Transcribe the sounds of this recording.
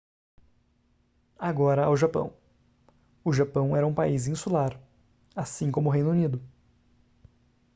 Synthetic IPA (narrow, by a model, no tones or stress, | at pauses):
aɡɔɾɐawʒapɐ̰̃w̃ | ʊʒapɐ̃w̃ɛɾɐũpaizĩsulaɾ | asĩkõmʊɦejnʊunid̪ʊ